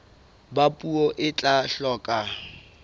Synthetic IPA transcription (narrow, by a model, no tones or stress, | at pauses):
bapʼuɔʔɪt͡ɬʼaɬɔːkʼa